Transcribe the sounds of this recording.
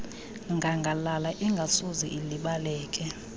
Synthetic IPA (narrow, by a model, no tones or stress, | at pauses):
ŋɡʱaŋɡʱalalaʔiŋɡʱasuziʔiliɓalɛːkʼɛ